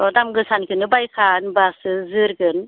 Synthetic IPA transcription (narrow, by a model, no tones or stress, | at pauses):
ɔdamɡɯsankʰɯnɯbajkʰanbasɯzɯɾɡɯn